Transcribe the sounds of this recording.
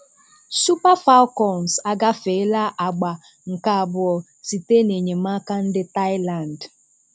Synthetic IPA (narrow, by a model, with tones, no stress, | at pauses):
su˦pa˦fa˦lkɔ˨n˨sa˦ɡa˦fe˨˦la˦ʔa˨ɡ͡ba˨ | ŋ̩˨ka˨a˨bʊ˨ɔ˨ | si˨te˦ne˨ɲe˨ma˦ka˦n̩˦dɪ˦ta˦ɪ˦la˨n˨d